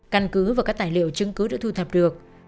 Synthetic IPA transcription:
ka˧nkɨ˨˦vaː˨˩kaː˦˥k̚t̪aː˧˨˩jlḭ˧˨əwt͡ɕɨ˧ŋkɨ˨˦ɗa̰ː˧˥t̪ʰu˧t̪ʰə˨˩p̚ɗɨ˨˩ək̚

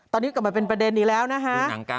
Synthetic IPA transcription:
t̪ɔː˧nːiː˦˥ka˨˩maː˧˩pe˧npɾa˧de˧ndiː˨˩lɛː˦˥wna˦˥kʰa˦˥˧

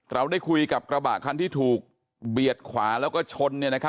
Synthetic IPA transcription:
ɾa˧wda˥˩jkʰu˧jka˨˩p̚kɾa˧ba̰ː˨˩ʔ̚kʰa˧nt̪ʰiː˥˩t̪ʰuː˨˩k̚ | bi˨˩ət̪̚kʰwaː˩˦lɛː˦˥wkɔː˥˩t͡ɕʰo˧nːi˥˩na˦˥kʰ

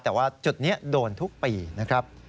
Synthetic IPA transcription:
t̪ɛː˨˩waː˥˩t͡ɕu˨˩t̪̚niː˦˥ɐdoː˧nt̪ʰu˦˥k̚piː˧na˦˥kʰɾa˦˥p̚

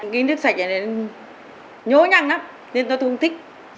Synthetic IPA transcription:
ka˨˦jnɨ˦˥ək̚sa˧˩k̚ʔa˨˩ne˨˧ | ɲo˨˦ɲa˧˨ŋna˧˦m | ne˧nt̪ɔ˧˦t̪ʰu˧ŋt̪ʰï˦˥k̚

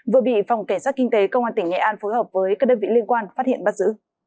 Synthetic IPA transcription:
vɨ˨˩əɓḭ˧˨fa˨˩wŋ͡mka˧˩jŋsaː˦˥t̚kï˧ŋ̟t̪e˨˦kə˧wŋ͡mʔaː˧nt̪ï˩ŋ̟ŋɛ̰˧˩ʔaː˧nfo˨˦jhəː˨˩p̚vəː˨˦jkaː˦˥k̚ɗəː˧nvḭ˧˨li˧ənkwaː˧nfaː˦˥t̚hḭ˧˨ənɓaː˧˥t̚zɨ̰˧˥

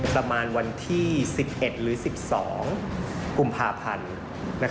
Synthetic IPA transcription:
pɾa˧maː˧nwa˧nt̪ʰiː˥˩si˨˩p̚ʔe˨˩t̪̚ɾɯː˩˦si˨˩p̚sɔ̰ː˩˦ŋku˧mpʰaː˧pʰa˧nː | a˦˥

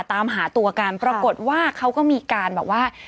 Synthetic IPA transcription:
t̪aː˧mɦaː˩˦t̪u˧ɐka˧npɾa˧ko˨˩t̪̚waː˥˩kʰa˦˥wkɔː˥˩miː˧kaː˧nbɛː˨˩p̚waː˥˩

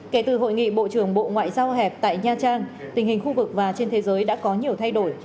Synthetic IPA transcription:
ke˨˧˩t̪ɨ˨˩ɦo̰˧˨jŋḭ˧˨ɓo̰˧˨t͡ɕɨ˧˩əŋɓo̰˧˨ŋwa̰ː˧˨jzaː˧wɦɛ˨˩p̚t̪a̰ː˧˨jɲaː˧t͡ɕaː˧ŋt̪ï˨˩ŋ̟hï˨˩ŋ̟xu˧vɨ˨˩k̚vaː˨˩t͡ɕe˧nt̪ʰe˨˦zəː˨˦jɗa̰ː˧˥kɔ˨˦ɲi˨˩əwt̪ʰa˧jɗo˧˩j

